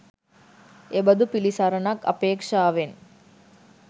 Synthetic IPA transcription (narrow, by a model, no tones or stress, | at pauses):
ebɐd̪upilisɐɾɐnɐkɐ̰peːkʂaːʋen